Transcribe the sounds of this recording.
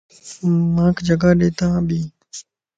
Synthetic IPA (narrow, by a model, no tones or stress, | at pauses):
mãːkʰd͡ʒəɡaːɗeːt̪ãːbʱiː